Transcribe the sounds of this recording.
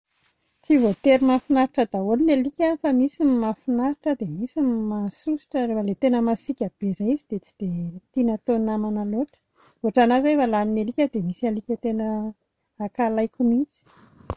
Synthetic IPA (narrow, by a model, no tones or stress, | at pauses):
t͡sivot̪eɾimafinaɾiʈ͡ʂəd̪aolinelikʲafəmisimafinaɾiʈ͡ʂəd̪emisimasusi̥ʈ͡ʂəɾefəlet̪enəmasikʲab̥ezaizid̪̥et͡si̥d̪̥et̪inət̪onnamanaloʈ͡ʂə̥ | oʈ͡ʂanazevalaninelikʲəd̪emisialikʲət̪enə | akalajkʲumit͡si̥